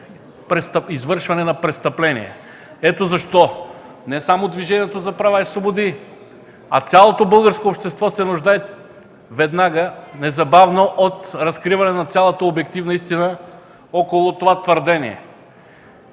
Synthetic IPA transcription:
pɾɛst̪ɐizvɤɾʃvɐnɛnɐpɾɛst̪ɐplɛnḭɛ̰ | ɛt̪ozɐʃt̪ɔ | nɛsamod̪viʒɛniɛt̪ozɐpɾɐvaisvobod̪i | ɐ̰t̪sʲjalˠot̪obɤlˠɡəɾskoːpʃt̪ɛst̪vɔsɛnʊʒd̪aɛ | vɛd̪naɡənɛzɐbavnoʔot̪ɾɐskɾivɐnɛnɐt̪sʲjalˠət̪əobɛk̚t̪ivnəist̪inə | ɔkolˠʊt̪ovat̪vəɾd̪ɛniɛ̰

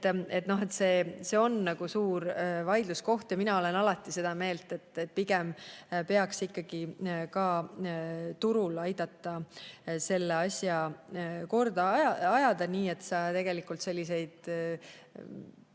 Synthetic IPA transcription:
et̪no̞ɦe̞t̪se̞ːse̞o̞nːɑɡ̥usuːɾvɑjd̪̥lusko̞ht̪jɑminɑo̞le̞nɑlɑt̪ːˑise̞d̪̥ɑme̞ːlt̪ˑe̞t̪ːet̪̚ːpiɡempe̞ɑksikːɑɡ̥ikɑː | t̪uɾulɑjd̪̥ɑt̪ːˑɑse̞lːeɑsjɑ | ko̞rd̪ɑɑɑjɑd̪̥ɑniːe̞t̪sɑːt̪e̞ɡ̥e̞likːˑult̪se̞lʲːise̞jd̪̥

